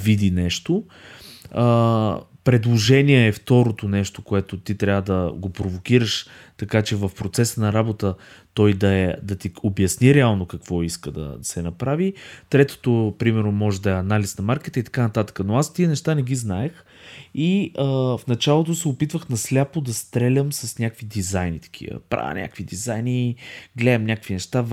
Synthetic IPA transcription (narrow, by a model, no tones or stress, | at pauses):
vid̪inɛʃt̪o | ə | pɾɛd̪lˠoʒɛniɛːft̪ɔɾot̪onɛʃt̪okoɛt̪ot̪it̪ɾʲavəd̪ɐɡopɾovok̟iɾəʃt̪ɐkat͡ʃɛvɐfpɾot̪sɛsənɐɾabot̪ət̪ɔjd̪ɐɛd̪ɐt̪iobʲjɐsniɾɛalˠnokɐkv̥ɔiskəd̪ɐ̰d̪ɐsɛnɐpɾavit̪ɾɛt̪o̥t̪opɾimɛɾnomɔʒɛd̪ɐɛɐnalisnɐmaɾkit̪əit̪ɐ̥kanɐt̪at̪ə̥kənoast̪iənɛʃt̪anɛɡiznaɛx | iəfnɐt͡ʃalˠot̪̬osɛopit̪vəxnɐslʲapod̪ɐst̪ɾɛlʲəmsɐsnʲakvid̪izajnit̪ɐ̥kʰḭvə̰pɾa̰nʲʔa̰kvid̪izajniɡlɛɛmnʲakəkvinɛʃt̪a